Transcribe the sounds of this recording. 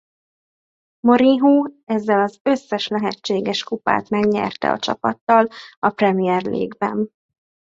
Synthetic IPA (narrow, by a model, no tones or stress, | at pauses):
moɾiɦuːɛzːɛlɒzø̞sːɛʃlɛɦɛt͡ʃːeːɡɛʃkupa̰ːt̪mɛɡɲɛ̰rt̪ɛ̰ɒ̰t͡ʃɒ̰pɒt̪ːɒlɒprɛmijɛrlḛːɡbɛn